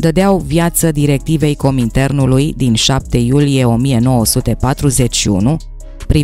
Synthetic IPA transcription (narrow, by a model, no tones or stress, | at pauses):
d̪əd̪eawvjat̪səd̪iɾe̞k̚t̪ive̞jko̞mint̪e̞rnulujd̪inʃap̚t̪e̞julije̞o̞mije̞no̞wosut̪e̞pat̪ɾuze̞t͡ʃʲʃiṵnu | pɾi